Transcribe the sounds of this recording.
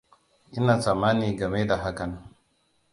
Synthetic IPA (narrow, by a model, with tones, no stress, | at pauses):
ʔɪ˦naː˨sa˨maː˦niː˨ɡɐ˨me˦da˨ɦa˦kɐ˨n˦